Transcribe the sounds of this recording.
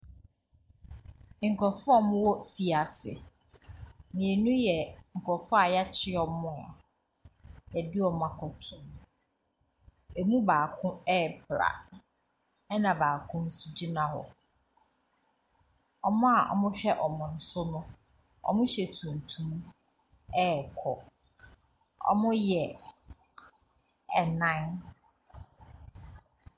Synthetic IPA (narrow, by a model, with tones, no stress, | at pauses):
ŋ̩˨kʰɔ˨fʊ˦ɔ˦˨mʊ̃˦wɔ˦fi˨a˨sɪ̰˨ | nĩ˨e˨nũ˦jɛ˨ŋ̩˨kʰɔ˨fʊ˦a˨ja˦t͡ɕʰɪ˦ɔ˦mʊ̃˦ɔ̰˨ | jɛ˨dɪ˦ɔ˨m˦a˨kʰʊ˨tʰʊ̃˨m | e˨mũ˦baː˨kʰʊ̃˦ɛ˦˨pʰɾa̰˨ | ɛ˦nã˨baː˨kʰʊ̃˦n̩˦su˦d͡ʑi˦nã˦hɔ̰˨ | ɔ˦mʊ̃˦a˨ʔɔ̰˨mʊ̃˦ɕᶣɛ˦ʔɔ˨mʊ̃˨n̩˨˦sʊ˦nʊ̃˦ | ɔ̰˦˨mʊ̃˦ɕɛ˨tʰũ˨n˨tʰũ˦m | ɛ˦˨kʰɔ˨ | ɔ̰˦˨mʊ̃˦jɛ˨ | ɛ˨nã˦n